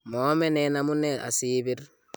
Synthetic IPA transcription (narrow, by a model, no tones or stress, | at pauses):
mɔmɛnɛnamunɛʔa̰siːbiɾ